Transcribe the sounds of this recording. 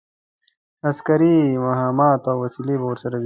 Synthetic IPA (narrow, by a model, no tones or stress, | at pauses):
ɐskɐɾimɐɦaːmaːt̪oːwɐsiliboːɾsɐɾɐb